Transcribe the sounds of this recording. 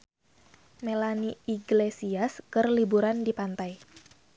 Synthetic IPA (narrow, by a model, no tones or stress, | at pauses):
melaniiɡlesiaskɨrlibuɾandipant̪aj